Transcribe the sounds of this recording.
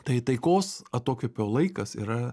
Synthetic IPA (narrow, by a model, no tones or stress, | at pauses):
t̪ɐɪt̪ɐɪkoːsɐt̪oːkʲopʲɛʊlˠɐɪkɐsḭːɾɐ